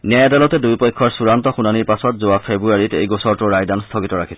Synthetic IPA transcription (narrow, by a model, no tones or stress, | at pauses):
nɛjadalɔtɛdujpɔjkʰːɔɹsuɹantɔxunaniɹpasɔtzoapʰebɹuaɹitejɡɔsɔɹtuɹajdanstʰɔkitɔɹakʰi̥sɛ